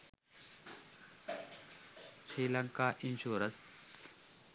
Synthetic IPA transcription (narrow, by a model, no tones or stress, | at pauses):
siːlɐŋkaːʔinɕuːɾɐs